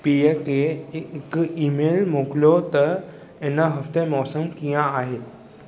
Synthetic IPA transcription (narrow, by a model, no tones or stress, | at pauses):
pijekekimelmoklot̪ə | enəɦəft̪emɔːsəmkijãaɦet̪